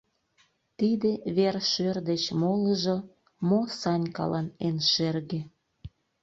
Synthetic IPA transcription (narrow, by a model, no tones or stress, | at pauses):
t̪id̪eβerʃørd̪et͡ɕmoləʒo | mosɑnʲkɑ̰lɑnenʃerɣĕ